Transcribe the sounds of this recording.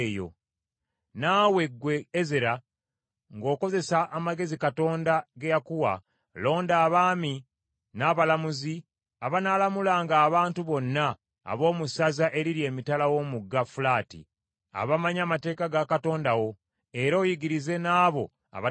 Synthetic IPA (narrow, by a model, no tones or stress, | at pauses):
jo̰ | nawe̞ɡwe̞ːzeɾa | ŋɡo̞ːko̞ze̞saʔːmaɡe̞zikato̞ːndaɡejakuwa̰ | lo̞ːndaːβaːmi | naːβalamuzi | aβanalamulaːŋɡaːβaːntuβo̞nːa̰ː | βo̞ːmusazaʔe̞ɾiɾie̞ːmitalawo̞ːmuɡːafulaːtḭ | a̰βamaɲaːmate̞ːkaɡakato̞ːndawo̞ | e̞ɾo̞ːjiɡiɾize̞naːβo̞ | a̰βa